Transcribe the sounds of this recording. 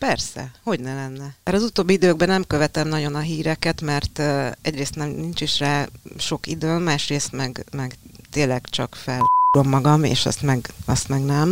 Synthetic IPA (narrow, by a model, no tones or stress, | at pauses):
pɛrsɛ̰ho̞ɟnɛlɛnːɛɾɛɒːzut̪oːbːiid̪øːɡ̚bɛnɛmkø̞vɛt̪ɛmnɒɟo̞nɒɦiːɾɛkɛt̪mɛrt̪ːɛɟreːst̪nɛmnint͡ʃiʃraːʃo̞kid̪øːnmaːʃreːst̪mɛɡmɛɡt̪eːlːɛɡt͡ʃɒ̰kfɛlɾo̞mːɒɡɒmḛːʃɒ̰st̪mɛɡɒst̪mɛɡnɛm